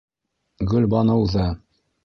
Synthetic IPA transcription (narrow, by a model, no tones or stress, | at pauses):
ɡɵlʲbɒnɤ̆wðɤ